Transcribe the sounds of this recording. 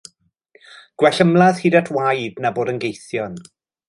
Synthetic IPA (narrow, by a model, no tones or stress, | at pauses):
ɡ̥wɛɬəmlˠað̥hidatʰwajdnaboːdənɡejθjɔn